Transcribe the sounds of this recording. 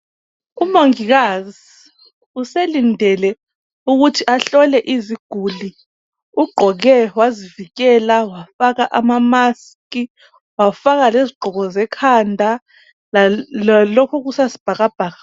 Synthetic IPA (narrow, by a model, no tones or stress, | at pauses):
umoŋiɣazi | uselindʱɛlɛ | uɣutʰiʔaɬɔlɛʔiziɡ̥ʱuli | uɡ͡ǃʱɔɣɛwaziviɣɛlawafaɣaʔamamas | ki | wafaɣaleziɡ͡ǃʱɔɣɔzɛkʰandʱa | l | lɔkʰɔɣusazib̥ʱaɣab̥ʱaːɣa